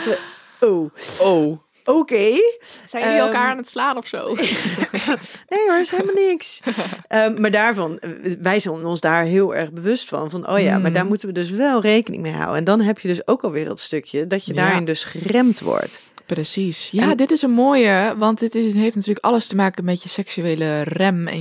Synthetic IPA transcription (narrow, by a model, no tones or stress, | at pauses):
owow | okeːsɛjiɛlkaːɹanətslaːnɔfso̰w | nejəɪshemalˠnɪksʔəmaːɹdaːɹvɔnʋɛjzɛnɔnzdaːɹɦɪːəlˠɛ̰ɹɣbəʋøstfɑ̰nvɔnʔo̰ːja̰madaːɹmutənʋədøs̬ʋɛlˠrejkənɪ̰ŋmejɦa̰wəɛndɔnɦɛpʰjədøsowkɔlˠʋɪːɹdɔ̰tstøkʰjədɔtjədaːɹɪndøsχərɛmtʋɔ̰ɹt | prəsisjadɪtɪsənmoːjəʋɑntdɪtɪɦejftnatyːləkʔɑləstəmaːkənmɛtjəsɛksyeːlərɛmɛ̰